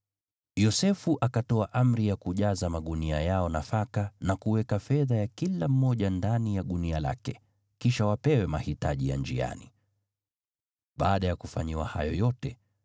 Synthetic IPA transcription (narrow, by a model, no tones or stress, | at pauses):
jɔsɛfuʔakatɔaʔam̩ɾijakuʄazamaɠuniajaɔnafakanakuwɛkafɛðajakilam̩ːɔʄandanijaɗuniala̰kɛ | kiʃawapɛwɛmahitaʄija̰nd͡ʒḭa̰nḭ | ɓa̰ːɗajakufa̰ɲiwa̰ha̰jɔjɔtɛ